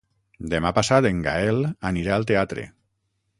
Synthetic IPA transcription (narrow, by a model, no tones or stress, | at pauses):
d̪emapasat̪eŋɡa̰elaniɾaːlˠt̪eat̪ɾḛ